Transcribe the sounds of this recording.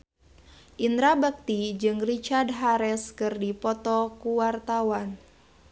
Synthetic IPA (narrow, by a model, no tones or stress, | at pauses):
ʔind̪ɾabək̚t̪id͡ʒɨŋrit͡ʃardɦaɾɛskɨrdipɔt̪ɔkuwart̪awan